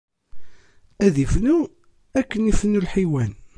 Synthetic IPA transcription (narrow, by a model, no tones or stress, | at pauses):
æðifnu | ækːənifnːulħiwæn